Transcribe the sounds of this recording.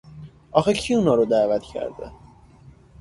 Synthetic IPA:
ʔɒxecʰiuːnɒːɾod̪æːvæt̪cʰæ̰ɾd̪ḛ

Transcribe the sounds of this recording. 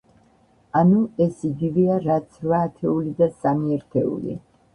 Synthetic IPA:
anuɛsiɡivɛaɾat̪sʰɾvaːt̪ʰɛulid̪asamiɛɾt̪ʰɛṵlḭ

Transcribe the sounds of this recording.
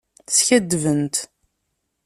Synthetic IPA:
sçæd̪ːvənt̪

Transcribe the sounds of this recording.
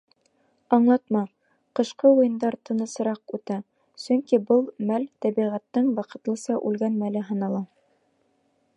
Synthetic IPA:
ɑɴlˠɑt̪mɑ | qɤ̆ʃqɤwujɤ̆nd̪ɑɾt̪ʰɤ̆nɤ̆sɤ̆ɾɑqʉt̪æ | sɵŋkibɤlˠmælt̪æbiʁæt̪ːɤɴwɑqɤ̆t̪lˠɤ̆sɑʔʉlɡænmælɘɦɤ̆nɑlˠɑ

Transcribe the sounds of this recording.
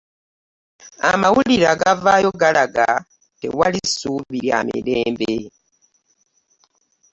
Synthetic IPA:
amawuliɾaɡavaːjo̞ɡalaɡa | te̞̰walisuːviɾjamḭɾeːmbe

